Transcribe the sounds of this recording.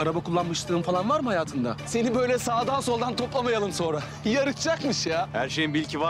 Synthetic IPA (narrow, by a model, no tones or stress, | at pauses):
aɾabakʰulˠːanmɯʃt̪ɯːmfalˠanvaɾmɯhajaːt̪ʰɯnd̪ase̞nibø̞jlʲɛsaːd̪ansolˠd̪ant̪ʰo̞plˠamajalˠɯmso̞nɾa | jaɾɯt̪ʰd͡ʒakmɯʃjaːhæɾʃejinbilʲcʰiva